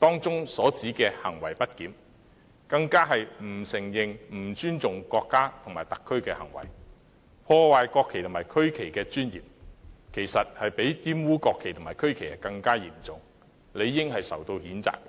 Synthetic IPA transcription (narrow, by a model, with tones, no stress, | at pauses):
t̪ɔː˥ŋt͡sʊ˥ŋsɔː˨˥t͡siː˨˥kɛː˧hɐ˨˩ŋwɐ˨˩jpɐ˥t̚kiː˨˥m | kɐ˧ŋkaː˥ɦɐ˨jm̩˨˩sɪ˨˩ŋjɪ˨˩ŋm̩˨˩t͡ʃyː˥nt͡sʊ˨ŋkɔː˧kːaː˥t̪ʰʊ˨˩ŋmaː˨˩jt̪ɐ˨kʰːɵ˥ɥkɛː˧hɐ˨˩ŋwɐ̰˨˩j | pʰɔː˧waː˨jkɔː˧kʰːe˨jt̪ʰʊ˨˩maː˨˩jkʰɵ˥ɥkʰe˨˩jkɛː˧t͡ʃyː˥njḭː˨p̚kʰe˨˩jsɐ˨t̚hɐ˨jpe˨˥jjiː˥mwuː˥kɔː˧kʰːe˨˩jt̪ʰʊ˨˩ŋmaː˨˩kʰɵ˥ɥkʰe˨˩jɐ˨kɐ˧ŋkaː˥jḭː˨˩mt͡sʊ˨ŋ | le˨˧jːɪ˥ŋhɐ˨jsɐ̰˨˩wt̪o˧whiː˨˥nt͡sa̰ː˨k̚